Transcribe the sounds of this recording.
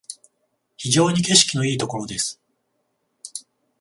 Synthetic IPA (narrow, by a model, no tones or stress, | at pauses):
çiʑo̞ːɲ̟ike̞ɕi̥kʲino̞iːt̪o̞ko̞ɾo̞d̪e̞sɨ̥